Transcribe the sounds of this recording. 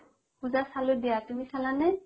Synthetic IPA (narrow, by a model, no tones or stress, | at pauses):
puzasalʊdijatumisalanɛ